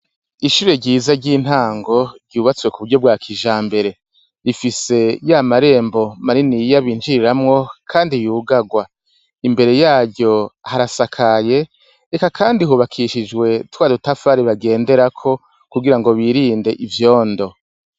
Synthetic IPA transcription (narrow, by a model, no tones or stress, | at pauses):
iʃuːɾe̞ɟiːzaɾɟiːn̥haːŋɡo̞ɾɟuːβat͡swe̞kuβuɾɟo̞b̚ɡaːkʰiʒaːmbe̞ɾe̞ | ɾifise̞jamaɾe̞ːmbo̞maɾinijaβiːnd͡ʒiɾiɾamŋo̞kʰaːndijuːɡaɡwa | imbe̞ɾe̞jaːɾɟo̞haɾasakʰaje̞ | ekakʰaːndihuːβakʰiʃid͡ʒɡwe̞twaːdutafaɾiβaɡe̞ːnde̞ɾakʰo̞ | kuɡiɾaŋɡo̞βiɾiːnde̞ʔivjo̞ːndo̞